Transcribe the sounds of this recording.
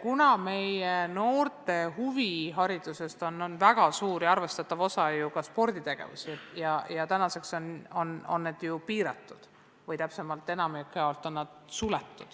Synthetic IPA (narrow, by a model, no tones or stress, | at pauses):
kunɑme̞jeno̞ːrt̪e̞ɦuviɦɑɾid̪̥use̞st̪o̞nːonvæɡ̥ɑsuːɾjɑɑrve̞st̪ɑt̪ːˑɑvo̞sɑjukɑspo̞rd̪it̪e̞ɡ̥e̞̰vṵsijɑjɑt̪ænɑse̞kso̞no̞no̞̰nːed̪̥jupiːɾɑt̪ːˑud̪̥ | vɯjt̪æpse̞mɑlt̪ːˑe̞nɑmikːˑeolt̪ːˑo̞nːɑd̪̥sulet̪ːˑud̪̥